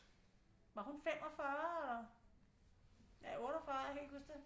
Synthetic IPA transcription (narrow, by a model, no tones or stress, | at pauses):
ʋɑ̈hunfem̰ɒfɶɐ | jæɔ̽ːɾɒfɶɐjhelhusd̥e